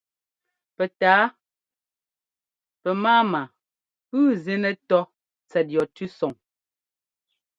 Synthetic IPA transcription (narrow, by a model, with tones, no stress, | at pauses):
pɛ˨taː˨˦ | pɛ˨maː˦ma˨ | pʉː˦ze˦nɛ˦tɔ˦ | t͡sɛ˨t̚jɔ˨tʉ˦sɔ˨ŋ